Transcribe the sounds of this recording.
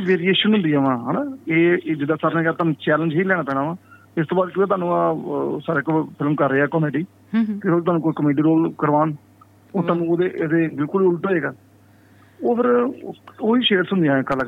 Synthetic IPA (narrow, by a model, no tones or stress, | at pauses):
ʋeːɾieːʃənɦʊ̃nd̪iaːʋãːɦɛːnaːeːd͡ʒɪd̪aːsaːɾnẽːkaːt̪aːnũːt͡ʃɛːlənd͡ʒɦiːlɛːɽ̃aːt̪əːɽaːʋãː | ɪst̪õːbaːd̪̚kɪeːt̪aːnũːaːsaːɾeːkpʰɪlmkəɾːeːɛːkɔːmeːɖiː | kɪet̪aːnũːkoːikəmeːɖiːɾoːlkəɾʋaːn | oːt̪aːnũːoːd̪eːʔeːd̪eːbɪlkʊlʊlʈ̪oːeːɡaː | oːpʰɪɾ | oːiːʃeːɾsʊnd̪ãːkəlak